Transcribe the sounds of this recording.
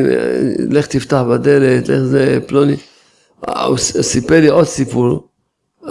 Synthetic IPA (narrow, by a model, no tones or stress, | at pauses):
leχt̪ift̪aħbad̪elet̪leχzeploni | ssipeliʔod̪sipuɾ